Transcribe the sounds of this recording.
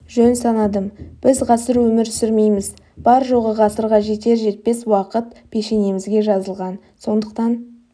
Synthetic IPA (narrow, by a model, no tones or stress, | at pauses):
ʒɵnsɑnɑd̪əmb̥ɪzʁɑsəɾwɵmɪɾtsɪɾme̞jmɪz | b̥ɑɾʒo̞ʁəʁɑsəɾʁɑʒe̞t̪e̞ɾʒe̞t̪̚pe̞swɑqət̪pʰe̞ʃe̞ne̞mɪzɡʲe̞ʒɑzəlˠʁɑn | so̞nd̪əq̚t̪ɑn